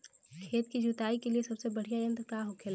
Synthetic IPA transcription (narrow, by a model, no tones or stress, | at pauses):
kʰeːt̪kid͡ʒut̪aːikeliesɐbsebəɽ̤ijajə̃nt̪ɾkaɦokʰeːl